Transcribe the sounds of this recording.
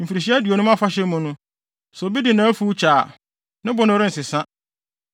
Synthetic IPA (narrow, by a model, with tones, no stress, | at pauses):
m̩˨fi˨ɾi˨ɕ̬i˦æ˦dɥo˨nũ˦m˦a˦fa˦ɕɛ˦mʊ̃˨nʊ̃˦ | so˨bi˦dɪ˨nãː˨˦fu˦t͡ɕʰaː˨ | nɪ̃˦bʊ˦nʊ̃˦ɾɪ˦n̩˨sɪ˨sã˦